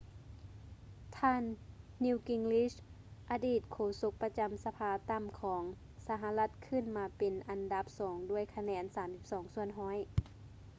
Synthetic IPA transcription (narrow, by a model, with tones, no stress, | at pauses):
t̪ʰaː˧˥˨nːi˧wki˧ŋli˧˥s | ʔa˧diː˧˨˩t̪̚kʰoː˧˩so˧˥k̚pa˧t͡ɕa˨msa˧pʰaː˧t̪a˧˥˨mkʰɔː˩˨˦ŋ | sa˧ɦa˧la˧˥t̪̚kʰɯ˧˥˨nmaː˧pe˨nʔa˨nda˧˦p̚sɔː˩˦ŋdu˧˥˩əjkʰa˧nɛː˧˥nsaː˨˦msi˧˥p̚sɔː˩˦ŋsu˧ənɦɔː˧˥j